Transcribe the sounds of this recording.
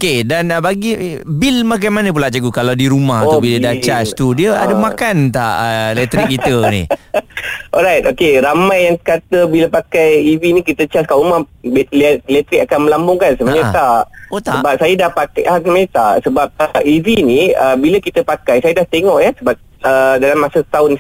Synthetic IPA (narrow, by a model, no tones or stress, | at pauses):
okedanbaɡi | bilmak̬ajmanə̃p̬ulaʔt͡ʃəɡukalawdiɾumaɦ̪abilədat͡ʃast̪udiəa̰dəmakant̪a̰ʔəlɛt̪ɾikkːit̪ənḭ | ʔɔɾajt̪okeɾamajaŋkat̪əbiləpakajivinikit̪ət͡ʃaskaʔumahbllɛt̪ɾik̚akanməlambʊŋkansəmaɲat̪aʔot̪aəbap̚sajadahpakaʔasəmaɲət̪aʔsəbap̚əʔiviniəbiləkit̪əpakajsajədaht̪eŋɔʔjasəbap̚ | ədalamːasət̪aʊn